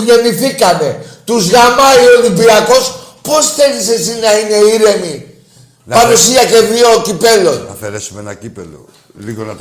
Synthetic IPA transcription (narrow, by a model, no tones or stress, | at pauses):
ʝe̞niθikɐme̞t̪uzɣɐmɐio̞libiɐko̞spo̞sθe̞lise̞sinɐine̞iɾe̞ni | pɐɾusiɐce̞ðio̞cipe̞lo̞ɐfeɾesumeenɐcipḛlo̰ | liɣonɐt